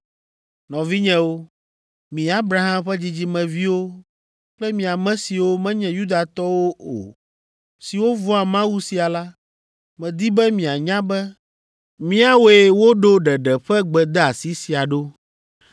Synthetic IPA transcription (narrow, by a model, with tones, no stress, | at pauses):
nɔ̃˨vi˦ɲɛ̃˦wo˦ | mĩ˨a˦bɾa˦ɦã˦mɸɛ˦d͡ʑi˦d͡ʑi˦mɛ̃˨vi˦wo˦ | k͡plɛ˦mĩ˨a˨mɛ̃˦si˨wo˦mɛ̃˦ɲɛ̃˨ju˦d̪a˨t̪ɔ˦wo˦o̰˨ | si˨wo˦vɔ˦a˨mã˦wu˦si˨a˨la˦ | mɛ̃˨d̪i˦bɛ˦mĩ˨a˨ɲã˦bɛ˦ | mĩ˦a˦we˨wo˦ɖo˦ɖɛ˨ɖɛ˨ɸɛ˦ɡ͡bɛ˨d̪ɛ˦a˨si˦si˨a˨ɖo˦